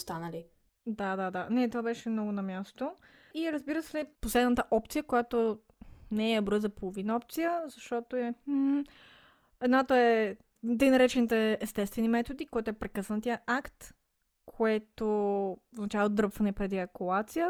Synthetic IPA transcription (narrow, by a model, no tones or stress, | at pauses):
st̪anəli | d̪ad̪ad̪anɛt̪ovabɛʃɛmnɔɡʊnɐmʲjast̪o | iɾəzbiɾəsɛlɛposlɛd̪nət̪əʔɔp̚t̪sijəkojat̪o | nɛɛbɾɔjzɐpolˠovinɐɔp̚t̪sijəzɐʃt̪ɔt̪oɛ | ɛd̪nat̪oɛ | d̪ɛjnɐɾɛt͡ʃɛnit̪ɛːst̪ɛst̪vɛnimɛt̪od̪ikɔjt̪ʊɛpɾɛkɤsənt̪iəʔakt̪ | kʰoɛt̪ovznɐt͡ʃavlˠod̪ɾɤpfɐnɛpɾɛd̪iɐkulˠat̪sijə